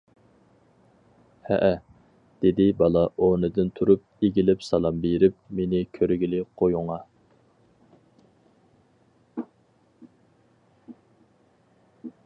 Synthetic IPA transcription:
hɛ̰ʔɛ | d̪̥ed̪ɪbɑlˠɑʔonɨd̪ɨnt̪ʰuɾup̚eɡʲilɪpsɑlˠɑmbeɾɪpmenɪkʲʰøɾɡʲilɪqʰojuŋɑ

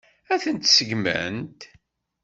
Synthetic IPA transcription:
æθənt̪səʝmæ̰nt̪

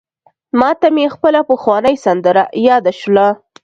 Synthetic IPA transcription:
mɑt̪amexpəlapəxwɑnəjsand̪əɾajɑd̪aʃla

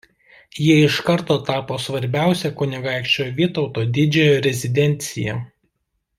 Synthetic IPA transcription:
jiɛɪʃkɐɾt̪oːt̪ɑːpoːsʋɐɾʲbʲæˑʊsʲɛkʊnʲɪɡɑˑɪkʃʲt͡ʃʲoːjʋʲiːt̪ɔʊt̪oːd̪ʲɪd͡ʒʲɛjoːɾʲɛzʲɪd̪ʲɛnʲt̪sʲɪjɛ

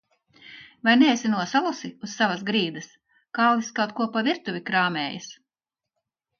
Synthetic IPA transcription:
vajnɛːsʲinuɔsalˠusiusːavɐsɡɾiːd̪ɐs | kallˠiskɑwt̪̚kuɔpavʲiɾt̪uvʲikɾaːmʲɛːjɐs

